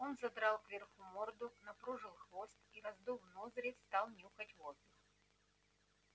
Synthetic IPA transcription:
o̞nzɐd̪ɾalˠkvʲɪrxumord̪ʊnɐpɾuʐɨlˠxvost̪iɾɐzd̪uvnozɾʲɪst̪ɑlˠnʲuxətʲvo̞zd̪ɨx

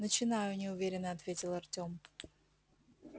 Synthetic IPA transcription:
nət͡ɕɪnajʊnʲɪʊvʲeɾʲɪnːəɐt̪vʲetʲɪlˠɐrtʲom

